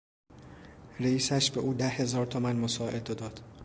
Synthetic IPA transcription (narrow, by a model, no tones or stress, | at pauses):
reiːsæʃbeʔuːd̪æhe̞zɒːɾt̪ʰomænmosɒːʔed̪od̪ɒːd̪̥